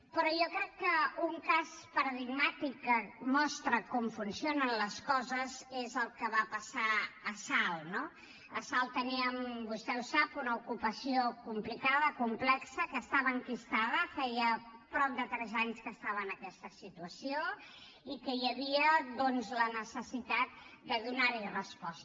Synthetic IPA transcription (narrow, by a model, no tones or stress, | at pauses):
pɾɔjɔkɾɛkːəuŋkazpəɾəðiɡmat̪ikːəmɔst̪ɾəkɔmfunsionənləskɔzəzezəlˠkəβapəsaːsalˠno | əsalˠt̪əniəmbust̪ɛusapunəukupəsiokumplikaðəkumplɛksəkəːst̪aβəːŋkist̪aðəfɛjəpɾɔp̚d̪ət̪ɾɛzaɲskəst̪aβəːnəkɛst̪əsit̪uəsio | ikəjəβiəðɔnzlənəsəsit̪at̪̚d̪əðunaɾirəspɔs